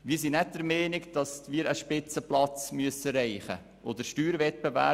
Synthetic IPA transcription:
ʋiːsinɛt̚dəɾmɛːnɪkd̥ɑsmiːɾəʃpɪt͡səplɑt͡smyəsəɾɛɪχə̰ | ʔod̪əɾʃtyːɾvɛt̚pevæ̰ː

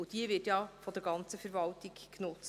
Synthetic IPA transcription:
ʊd̥iəvɪtjɑfɔd̥̪əɾɡɑnt͡səfəɾvɑltiɡnʊt͡s

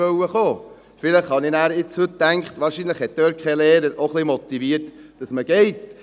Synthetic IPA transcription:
œwəχoː | fɪləχhɑninæːɾɪt͡shɵtːæŋkχtʋɑːɾʃiːnləχhɛt̪̚d̥øːɾt̚kʰɛleːɾəɾʔoχlimɔt̪iʋiəɾtd̥ɑsməɡ̥ɛɪt

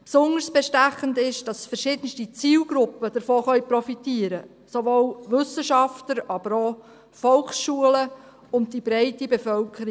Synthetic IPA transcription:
psʊndəɾsb̥ɛʃtæχəndɪʃd̥ɑsfəɾʃɪd̥ənstit͡siːlɡɾʊpːəd̥əɾfoːχœʏpɾɔfitiːəɾə | soʋoːlʋʏsːəʃɑftəɾɑbəɾoː | fɔlχsʃuələ | ʊnt̚dib̥ɾɛɪtibefœlkʰəɾi

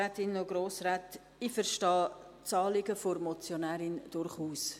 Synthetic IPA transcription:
ɛːtɪnːoɡɾoːsɾɛːt | ifəɾʃtɑː | t͡sɑːlɪɡəfoɾmɔt͡sjonɛːɾɪnd̥ʊɾχuːs

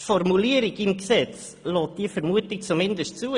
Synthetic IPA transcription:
fɔrmuliːəɾɪɡɪmksɛt͡s | lɔːt̚d̥iːəfɛɾmuətɪk̚t͡sumɪndəstt͡suː

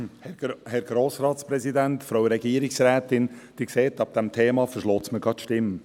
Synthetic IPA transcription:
hɛhɛɾɡɾoːsɾɑːtspɾɛzidæntfɾoʊɾɛɡiəɾɪksɾɛːtɪnd̥iːkseːtɑb̚d̥ɛmtʰeːmɑfəʃlɔːt͡sməɡɑt̪ʃtɪm

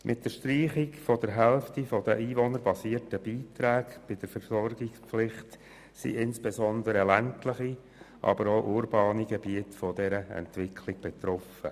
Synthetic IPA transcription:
mʔɪt̚dəɾʃtriːχikfɔd̥əɾɦɛlftifɔd̪əʔiːvɔnəɾbɑsiːəɾtəb̥iːtɾæːɡb̥ɪd̥əɾfəɾsɔɾɡɪkspflɪχt | sḭʔɪnsb̥esɔnd̪əɾəlæntləχi | ʔɑ̰bəɾoʔʊɾbɑːniɡɛbiətfɔdɛɾəɛ̰ntʋɪkʰlɪɡ̥̚b̥ɛt̪ɾɔfə

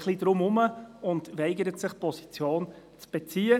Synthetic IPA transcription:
χlid̥ɾʊmʊməʊndʋɛɪɡəɾətsɪχpɔsi̥t͡sjoːn | t͡sb̥et͡siːə

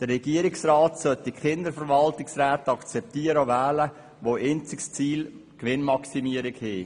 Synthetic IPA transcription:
d̥ərːɛɡ̥iəɾɪksɾɑːtsœtdiχɪnd̪əɾfəɾʋɑltɪksɾæːtɑkt͡sɛp̚tiəɾəvæːlə | ʋoːʔent͡sɪkst͡siːl | kʋɪnmɑksimiəɾɪkheː

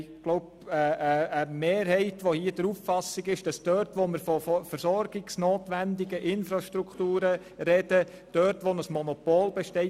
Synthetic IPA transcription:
ɡ̥loʊp | əəəmeːɾhɛɪtʋohiːəd̥əɾuffɑsɪɡɪʃd̥ɑsd̥œɾtʋoməɾfɔfɔfəɾsɔɾɡɪksnoːtʋændɪɡəʔɪnfɾɑʃtɾukχtuːɾə | ɾɛd̥ə | d̥œɾtʋonəsmɔnɔpɔlbɛʃtɛɪ

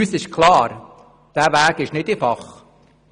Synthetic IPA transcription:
yːsɪʃkʰlɑːɾ | d̥æːvæːɡɪʃnɪdɪfɑχ

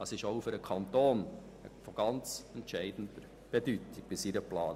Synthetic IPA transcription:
ɑsɪʃoʊføɾəkʰɑnt̪oːn | fɔɡ̥ɑnt͡sɛntʃɛɪd̥n̩dəɾ | b̥edytɪɡ̥̚b̥ɪsiɾəplɑːn

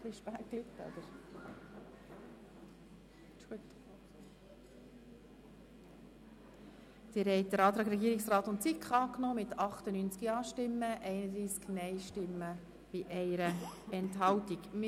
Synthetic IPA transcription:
χliʃpæːklytːɔ̰d̪̥əɾ | t͡ʃuət̪ | d̪̥ɪɾɦɛɪtd̪əɾɑːt̪ɾɑːɡɾɛɡiːɾɪksrɑːt̪ʊntt͡sikχɑːknoːmɪt̪ʰɑχt̪ənyːnt͡skiɑːʃtɪmːəʔɛɪnəd̪ɾiːsknɛɪʃtɪmːə | b̥iʔɛɪɾəɛntɦɑltikm

